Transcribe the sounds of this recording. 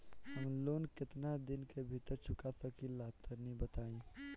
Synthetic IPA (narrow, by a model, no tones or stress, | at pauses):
həmloːnkɪt̪nad̪ɪnkebʱit̪əɾt͡ʃʰʊkasɐkilaːt̪ʰəɾnĩbɐt̪aːẽː